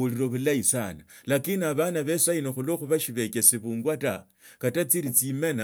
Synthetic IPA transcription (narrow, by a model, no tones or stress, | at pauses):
uliɾo̞βulaisanalakiniaβanaβe̞sainoxuloxuβaʃiβe̞kesiβuːŋɡwata | katat͡siɾit͡simena